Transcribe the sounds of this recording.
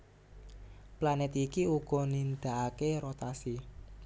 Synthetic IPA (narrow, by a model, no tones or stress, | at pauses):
planɛt̪ikiuɡ̥ɔ̤nind̪̥aʔakeɾot̪asi